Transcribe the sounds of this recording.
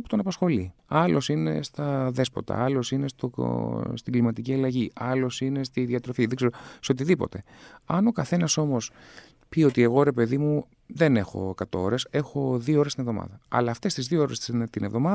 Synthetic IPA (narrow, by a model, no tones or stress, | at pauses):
pu̥t̪o̞nɐpɐsxo̞liɐlo̞sine̞̰st̪ɐðe̞spot̪ɐ̰ɐlo̞sine̞st̪o̰st̪iɡlimɐt̪iciɐleʝiɐlo̞sine̞st̪iðiɐt̪ɾo̞fiðɡzeɾoseo̞t̪iðipo̞̰t̪e̞ | ɐno̞kɐθe̞nɐso̞mo̞s | pio̞t̪ie̞ɣo̞ɾe̞pe̞ðimu | ðe̞ne̞xo̞̰ekɐt̪o̞o̞ɾe̞se̞xo̞ðioo̞ɾest̪inevðo̞mɐ̰ðɐɐ̰lɐːft̪e̞st̪izðiooɾest̪ine̞vðo̞mɐ